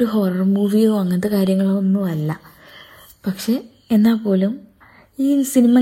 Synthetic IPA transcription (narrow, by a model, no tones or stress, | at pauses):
oɾuɦo̞ːrɐrmuːʋijoʋɐŋːɐnɐðɨkaːɾjɐŋːɐɭonːuʋɐlːɐ | pɐkʂe̞ | enːaːpːo̞ːlum | iːsinimɐ